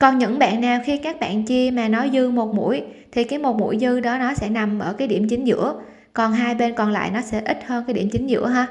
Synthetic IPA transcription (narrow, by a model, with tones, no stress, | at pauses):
kɔ˨˩nɲɨ̰˧˥ŋɓa̰ː˧˨nːaː˨˩wxi˧kaː˦˥k̚ɓa̰ː˧˨nt͡ɕi˧əmaː˨˩nɔ˨˦jzɨ˧mo˨˩t̚mṵ˧˥əjt̪ʰi˨˩kaː˨˦jmo˨˩t̚mṵ˧˥əjzɨ˧ɗɔ˨˦nɔ˨˦sɛ̰˧˥na˨˩mʔəː˧˩kaː˨˦jɗḭ˧˩əmt͡ɕï˨˦ŋ̟zɨ̰˧˥ə | kɔ˨˩nɦaː˧jɓe˧nkɔ˨˩nla̰ː˧˨jnɔ˨˦sɛ̰˧˥ʔï˦˥t̚həː˧nkaː˨˦jɗḭ˧˩əmt͡ɕï˨˦ŋ̟zɨ̰˧˥əɦaː˧